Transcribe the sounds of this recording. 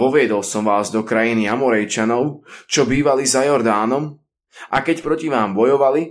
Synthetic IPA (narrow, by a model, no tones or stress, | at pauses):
ɔʋɪɛd̪ɔlˠsɔmʋaːzd̪ɔkɾajiniamɔɾɛjt͡ʃanɔʊt͡ʃɔbiːʋalizajɔɾd̪aːnɔm | ʔakɛcpɾɔciʋaːmbɔjɔʋali